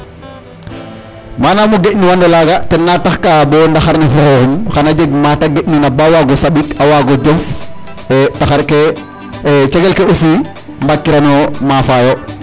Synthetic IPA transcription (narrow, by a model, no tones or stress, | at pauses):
maːnamuɡecniwandɛlaɡatɛnːataxkabɔndaxaɾnifɔxɔːxumxanaɟeɡ̚mataɡecninabawaɡɔsaɓikawaɡɔɟɔf | taxaɾke | t͡ʃɛɡelkeusiː | mbakːiɾanɔmafajo